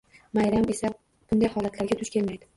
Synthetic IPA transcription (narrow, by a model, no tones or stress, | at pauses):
majɾame̞sa | b̥ʊnd̪ajhɒlat̪laɾɡʲat̪ʰʊʃkʲe̞lmajd̪ɪ